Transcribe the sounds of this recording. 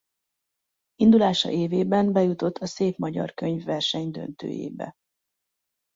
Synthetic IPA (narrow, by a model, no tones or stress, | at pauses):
ind̪ulaːʃɒ̰ʔeːveːbɛmbɛjut̪o̞t̪ʰːɒseːpmɒɟɒ̰rkøɲvːɛrʃɛɲd̪ø̞̰nt̪ø̰ːjḛːbɛ̰